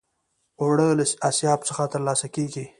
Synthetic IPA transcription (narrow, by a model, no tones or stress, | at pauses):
oɽələsasjɑb̚səxat̪əɾlɑsakeɡi